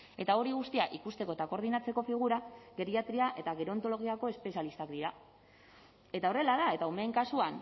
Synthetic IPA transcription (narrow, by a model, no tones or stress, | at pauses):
e̞t̪ao̞ɾiɣ̞ust̪iaʔikust̪eko̞et̪ako̞ɾðinat͡se̞ko̞fiɣ̞uɾaɣe̞ɾiat̪ɾiaʔe̞t̪aɣe̞ɾo̞nt̪o̞lo̞ɣ̞iako̞e̞spe̞sjalist̪akd̪iɾa | e̞t̪ao̞re̞laðae̞t̪aumeŋkasuan